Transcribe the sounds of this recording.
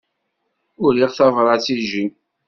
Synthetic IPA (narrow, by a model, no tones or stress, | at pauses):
ʊɾiʁθɑvɾˤɑt͡sːiʒi